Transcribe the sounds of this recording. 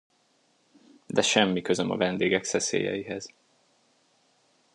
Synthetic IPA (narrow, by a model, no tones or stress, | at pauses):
d̪ɛʃɛmːikøzømɒ̰vɛnd̪eːɡɛksɛsḛːjɛ̰jiɦɛz̥